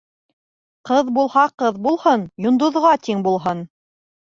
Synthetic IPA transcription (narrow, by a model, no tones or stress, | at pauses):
qɤðbulˠhɑqɤðbulˠhɤnjŏnd̪ŏðʁɑt̪iŋbulˠɦɤn